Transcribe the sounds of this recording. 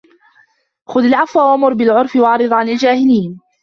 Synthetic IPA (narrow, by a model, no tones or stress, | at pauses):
xʊðalʕafwaːwamʊɾˤbɪlʕʊɾˤfɪwɑʕɾɨðˤʕanald͡ʒaːhɪliːn